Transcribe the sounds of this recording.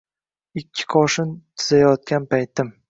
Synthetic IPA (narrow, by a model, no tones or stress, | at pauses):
ɪkʲʰːɪ̥qʰɒʃɪnt̪ʰɪzajɒt̪̚ɡʲanpʰajt̪ɪm